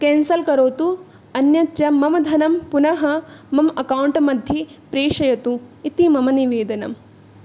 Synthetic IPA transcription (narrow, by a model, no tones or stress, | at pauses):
keːnsɐlkɐɾoːt̪u | ɐnjɐt̪jɐmɐmɐd̪ʱɐnɐmpunɐɦɐmɐmɐkɐwuɳʈɐmɐd̪ʱjipɾeːʂɐjɐt̪uit̪imɐmɐniʋeːd̪ɐnɐ̰m